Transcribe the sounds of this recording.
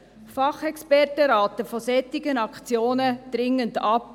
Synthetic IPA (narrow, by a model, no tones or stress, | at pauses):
fɑχɛkspɛrtəɾɑːtəfɔsɛtːɪɡənɑkt͡sjoːnəd̥ɾɪŋːəndɑp